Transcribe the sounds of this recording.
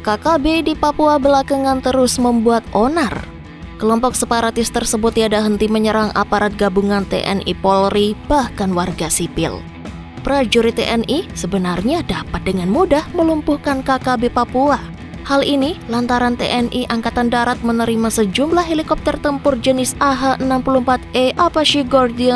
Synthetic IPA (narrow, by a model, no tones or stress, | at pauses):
kakabedipapuabəlakaŋant̪əɾʊsməmbuat̪̚ʔonar | kəlɔmpɔk̚səpaɾat̪ɪst̪ərsəbʊt̪jadaɦənt̪iməɲəɾaŋʔa̰paɾat̪̚ɡabuŋant̪ḛʔɛ̰nʔḭpɔlrib̥ahkanwarɡasipɪ̰l | pɾad͡ʒuɾit̪ḛʔɛnisəbənarɲadapat̪̚dəŋanmudahməlumpuhkankakabepapua | halʔinilant̪aɾant̪ḛʔɛnʔiʔaŋkat̪andaɾat̪̚mənəɾimasəd͡ʒumblahɦelikɔp̚t̪ɛrt̪əmpʊrd͡ʒənɪsaɦaʔənampuluhəmpat̪eʔapaʃiɡɔrdia